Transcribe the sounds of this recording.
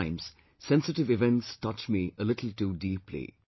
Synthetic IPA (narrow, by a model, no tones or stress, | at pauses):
ɪ̃mz̥ | sɛ̃nsɨʈɪʋɪʋɛ̃ntstʌt͡ʃmiʔəlɪʈl̩ˠʈuːɖiːplḭ